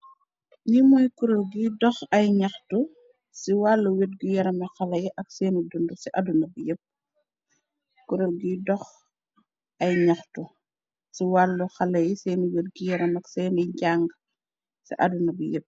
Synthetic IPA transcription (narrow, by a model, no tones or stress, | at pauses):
ɲimɔjkuɾolɡidɔxɐjɲɐxtu | siwalːuwet̚ɡijɐɾɐmɐxɐlɐjiʔɐk̚sɛːnidundusiʔɐdunɐbijɛp̚ | kuɾolɡidɔx | ɐjɲɐxtu | siwalːuxɐlɐjisɛːniwet̚ɡujɐɾɐmɐksɛːniɟaŋɡ | sḭʔɐ̰dunɐbijep̚